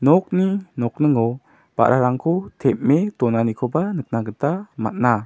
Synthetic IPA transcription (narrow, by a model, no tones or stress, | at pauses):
nɔk̚ninɔk̚nəŋɔ | b̥a̰ʔɾʔaɾaŋkʰɔt̪ʰɛp̚met̪ɔnanikʰɔbanək̚naɡət̪ama̰t̪̚na